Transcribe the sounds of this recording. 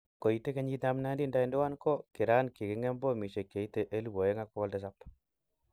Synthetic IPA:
ko˨i˨te˦ke˦ɲi˦ta˦mna˦ndi˦nda˦i˨ndɛ˦wa˦nkɔ˦ki˨ɾa˦nki˨kɪ˨˦ŋɛ˦mbo˦mi˨ʃe˨kje˨i˦te˦ʔe˦lu˦wo˨je˦ŋa˦kɔ˦wɔ˦lde˦s̬a˦p

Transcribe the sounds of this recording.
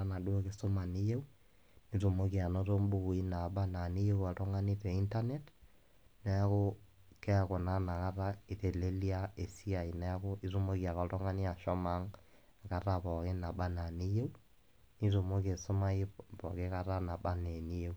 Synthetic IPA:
a˦na˨do˦o˦ke˨˦so˦ma˨ni˦je˦u˦ | ni˦to˨mo˦ki˨a˨no˦to˦mbo˦˨i˦na˨ɓa˦na˨ni˦je˦u˦a˨tɔ˦ŋa˦ni˦tɛ˨i˦nta˦ne˦t | na˨a˦ko˦ | kɛ˦a˨ko˨na˦na˨ka˦ɾa˦e˨te˨le˦li˦a˦e˨si˦a˨i˨na˨a˦ko˦i˦to˦mo˦ki˨a˨kɔ˨tɔ˦ŋa˦ni˦a˨ʃɔ˦ma˦ŋ˨ | ka˦ɾa˦βɔ˨ke˦na˨ɓa˦na˨ni˦je˦u˦ | ni˦to˨mo˦ke˨so˦ma˦e˦pɔ˨ke˦ka˦ɾa˦na˨ɓa˦ne˨ni˦je˦u˦

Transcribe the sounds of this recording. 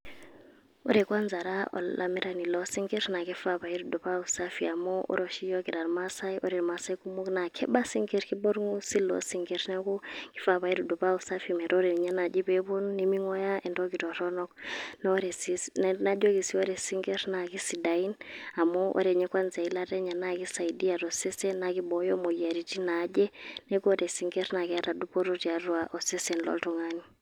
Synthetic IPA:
o̰˦ɾɛ˨kwa˦nd͡za˨ɾaʔɔ̰˨lʔa̰˨mɛ˦ɾa˨ni˨lɔ˦si˦ŋɡe˦ɾna˨kɛ˦fa˦pa˨i˦ɾi˨du˨pa˦u˨sa˦fia˨mɔ˦o̰˦ɾo˨ʃi˦jɔ˦ki˨ɾa˨ɾma˦sa˦i˦ʔo˦ɾi˨ɾma˦sa˦i˦ku˦mo˦kna˨kʰɛ˦ba˦si˦ŋɡe˦ɾki˦bɔ˦ɾŋu˦si˦lɔ̰˦siŋɡe˨ɾinɛ˦kɔ˦kʼi̥˦fa˦pa˨i˦ɾu˨du˨pa˦u˨sa˦fimɛ˨ɾɔ˦ɾɛ˨ɲa˦na˨d͡ʒi˦bɛ˦bo˦n˦ni˦mi˦ŋɔ˦ja˦ʔɛ˨ndɔ˦ki˨ɾɔ˨ɾɔ˦nɔ˦kɔnaɔ˦ɾɛ˨sinna˦d͡ʒɔ˦ki˨si˦ɔ˦ɾɛ˨si˦ŋɡɛ˦ɾna˨ki˦si˨da˨ina˨mɔ˦ʔɔ̰˦ɾɛ˨ɲɛ˦kwa˦nza˨i˦la˦ɾɛ˦ɲa˨na˦˨ki˦sa˨idi˦a˨ɾɔ˨sɛ˦sɛ˦na˨ki˦ɓɔjɔ˦mɔ˨ia˨ɾi˨ti˦na˦d͡ʒɛ˦nɛ˦kɔ˦ɾɛ˨si˦ŋɡɛ˦ɾna˨ka˦ɾa˨du˦pɔ˦ɾo˦ti˨a˨ɾwa˨ʔɔ˨sɛ˦sɛnlɔ̰˦ltɔ˨ŋani˨

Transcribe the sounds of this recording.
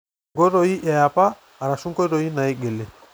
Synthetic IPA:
ɡo˦ɾo˨i˦ʔa˨ja˨paː˦˨ | ɾa˨su˦ŋko˦ɾo˨i˦na˨i˦ɡe˨le˨

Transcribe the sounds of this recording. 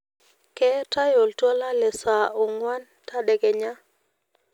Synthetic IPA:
kɛ˦ta˦jo˨ltwɔ˦la˦lɛ˨sa˨o˨ŋwa˦n | ta˦dɛ˨ɡɛ˨ɲa˦

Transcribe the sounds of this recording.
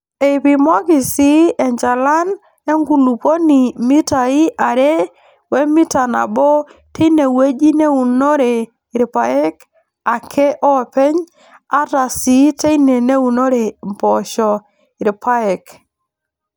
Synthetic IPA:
e˨pi˨mɔ˦kɪ˨si˦ɛ˨ɲd͡ʒa˨la˦n | e˦ŋɡu˨lu˨po˦ni˨mi˦ta˨i˦ʔa˨ɾe˦ | wɛ˦mi˦ta˨na̰˨bɔ˦tʰe˦i˦ne˨we˦d͡ʒi˦ne˦u˨no˦ɾe˨ | ɾpa˨ɛ˦k | a˨kʰɛ˦ʔɔ˦˨pɛ˦ɲ | a˦ta˨si˨˦te˦i˦ne˨ne˦u˨no˦ɾe˨m˨pɔ˨ʃɔ˨ | ɪ˨ɾpa˦ɛ˨k

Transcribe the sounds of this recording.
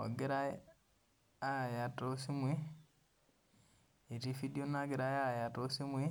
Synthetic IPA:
a̰˨ɡe˦ɾa˦ | a˦˨ja˨to˦si˦mwi˦ | e˨ti˦fi˦di˦o˦na˦ɡe˨ɾa˦ja˦˨ja˨to˦si˦mwi˦

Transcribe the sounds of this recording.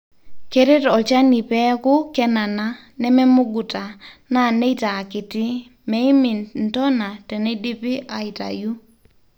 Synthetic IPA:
ke˦ɾe˦tɔ˨t͡ʃa˦ni˨pɛ˦kʊ˦kɛ˦na˨na˦ | nɛ˦mɛ˦mʊ˦ɡu˨ta˨na˦˨ne˦taː˨kɪ˨tɪ˦ | mɛ˨˦ɪ˦mɪ˨n̩˨tɔ˦na˨tɛ˨ne˦di˦pɪ˦ʔa˨ɪ˨ta̰˨ju˦

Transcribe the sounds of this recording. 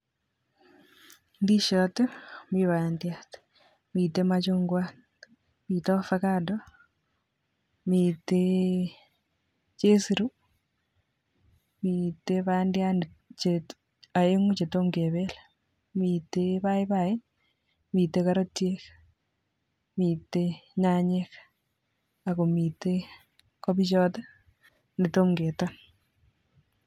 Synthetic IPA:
ndiʃɔtemiβandiat | mi˨temat͡ʃoŋɡwa | mi˨to˦fakado | mite | t͡ʃe˦siɾu˦ | miteβandian | t͡ʃe | a˨e˦ŋu˦t͡ʃe˨to˦mke˨βe˦l | mi˨tepa˦i˦pa˨i˦n | mi˨tːekaɾo˦tjek | mi˨teɲa˦ɲek | a˨ko˨mi˨te | kɔ˦bi˦t͡ʃɔ˦t̪a˦ | nde˨to˦mɡeː˨tan

